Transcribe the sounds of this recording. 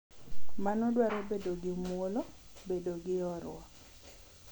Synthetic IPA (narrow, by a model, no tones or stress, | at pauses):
manɔdwaɾɛbedoɡɪmwolobedoɡɪjɔɾwa